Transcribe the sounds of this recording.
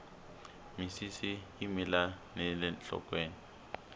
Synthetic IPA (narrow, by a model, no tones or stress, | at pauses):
misisiːmilanɛlɛnt͡ɬɔ̰kʼweːni